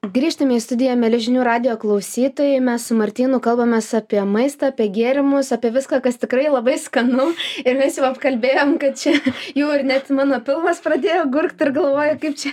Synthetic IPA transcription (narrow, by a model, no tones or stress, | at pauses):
ɡɾʲiːʃt̪ɐmʲɪist̪ʊd̪ʲɪjɛmʲɛlʲɪʒʲɪnʲuːɾɑːd̪ʲɪjoːklˠɐʊsʲiːt̪oːjɛɪmʲɛssʊmɐɾʲt̪ʲiːnʊkɐlˠbɐmʲɛsɑːpʲiɛmɐɪst̪ɑɐːpʲiɛɡʲiɛɾʲɪmʊsɑːpʲiɛʋʲɪskɑːkɐst̪ʲɪkɾɐɪlˠɐbɐɪskɐnɐʊɪɾmʲɛsjɛʊɐpkɐlʲbʲeːjoːmkɐt̪̚t͡ʃʲɛjɛʊɪrnʲɛt̪mɑːnoːpʲɪlˠmɐsprɐd̪ʲeːjoːɡʊrkt̪ʲɪrɡɐlˠʋoːjɛkɐɪp̚t͡ʃʲɛ